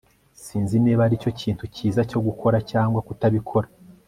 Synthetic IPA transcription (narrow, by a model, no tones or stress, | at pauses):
siːnzineːβaɾico̞cʰiːntuciːzaco̞ɡukʰo̞ɾacaːŋɡwakutaβikʰo̞ɾa